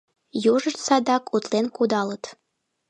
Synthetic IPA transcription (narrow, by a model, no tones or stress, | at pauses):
juʒə̆ʃt̪sɑd̪ɑkʰut̪lenkud̪ɑlət̪